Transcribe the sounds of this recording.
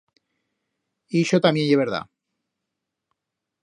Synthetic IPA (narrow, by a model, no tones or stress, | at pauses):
iʃot̪amjenjeβeɾða̰